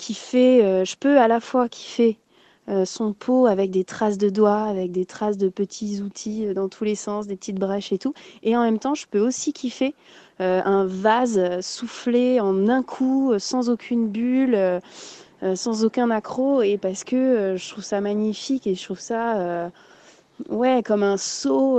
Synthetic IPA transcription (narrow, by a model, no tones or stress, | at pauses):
kʰʲifɛøʒəpøalafwakʲʰi̥fɛ | øsɔ̃pʰoavɛk̚d̪et̪χas̬d̪əd̪waːvɛk̚d̪et̪χasd̪əpət̪ʰizut̪ʰiød̪ɑ̃t̪ʰulesɑ̃sd̪epət̪it̪bʁɛʃet̪ueɑ̃mɛmt̪ɑ̃ʒəpøosikʰʲifɛ | øɛ̃vazøsufleɑ̃nɛ̃kʰuøsɑ̃zokʲʰynbyløː | sɑ̃zokʲɛ̃nakχoepaʁsə̥kəøʒət̪χuv̥samaɲifikeʒət̪χuv̥saø | wɛkɔmɛ̃so